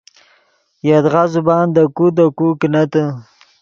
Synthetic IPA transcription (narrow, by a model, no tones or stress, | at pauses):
jad̪ɣazubɑnd̪əkud̪əkuknat̪ə